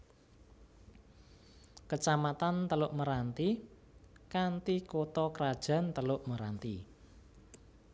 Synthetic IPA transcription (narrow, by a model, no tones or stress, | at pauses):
kət͡ʃamat̪ant̪əlʊʔməɾant̪i | kant̪ikot̪ɔkəɾad̥ʒ̥a̤nt̪əlʊʔməɾant̪i